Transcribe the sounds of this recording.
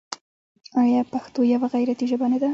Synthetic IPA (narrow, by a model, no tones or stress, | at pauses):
ajɑpaxt̪ojawaɣajɾat̪iʒəbaned̪a